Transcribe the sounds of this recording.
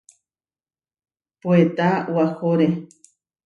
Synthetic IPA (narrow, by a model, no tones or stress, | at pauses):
poet̪awahoɾe